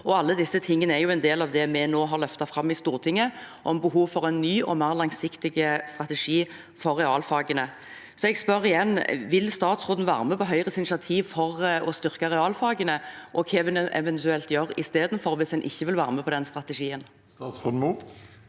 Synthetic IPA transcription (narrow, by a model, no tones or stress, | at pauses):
ɔɑlːəd̪ɪsːət̪ʰɪŋːənəæjʊɛnd̪eːlɑʋd̪ɛmɛnoːɦɑʁlœft̪ɑfɾɑmːɪst̪uːʁt̪ʰɪŋːəʔɔmbəɦuːʋfɔʁɛnːyːʔɔmæːʁlɑŋsɪkt̪ɪɡəst̪ʁɑt̪ɛʂiː | fɔrːɛɑːlfɑːɡənə | sɔɛɡspœɾɪjɛnːʋɪlst̪ɑːt̪sʁuːd̪n̩ʋæ̰ːʁməpɔɦœʏʁəsɪnɪsɑt̪ʰiːʋfɔʁɔst̪ʏʁkɑʁɛɑːlfɑːɡənəʔɔkʰɛːʋɛnɛʔɛ̰ʋɛnt̪ʉɛlt̪jøːɾɪ̰st̪eːd̪n̩fɔɾʋɪsɛnʔɪ̰çːəʋɪlʋæːɾməpʰɔd̪ɛnst̪ʁɑt̪əʂiːənː | t̪sʁuːd̪n̩u